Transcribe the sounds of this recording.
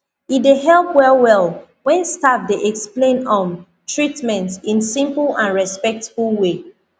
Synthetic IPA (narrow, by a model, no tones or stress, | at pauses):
ideɦɛlˠpwɛlwɛlˠ | wɛ̃nstaf̚deʔɛksplẽnɔ̃n | tɹitmɛ̃ntsĩnsĩmpl̩ˠãnɹɛspɛk̚tfulˠwe